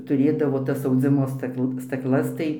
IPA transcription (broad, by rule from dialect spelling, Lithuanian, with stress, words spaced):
tʊˈrʲeːdɐʋoː ˈtɐs ɐʊˈd͡zʲɪmoː ˈstɐklˠ stɐkˈlˠɐs tɐɪ